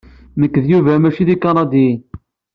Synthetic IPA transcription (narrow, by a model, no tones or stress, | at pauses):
məkːðjuvæmæʃiðikɑnɑd̪i